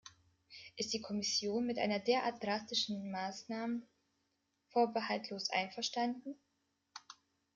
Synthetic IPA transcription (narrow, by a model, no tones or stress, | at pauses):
ʔɪst̚d̥iːkʰɔmɪsjoːnmɪtʔa̰ɪnɐdeːɐʔa̰ɐt̚d̥ʁastɪʃn̩maːsnaːmə | foːɐbəhaltʰloːsʔa̰ɪnfɛɐʃtandn̩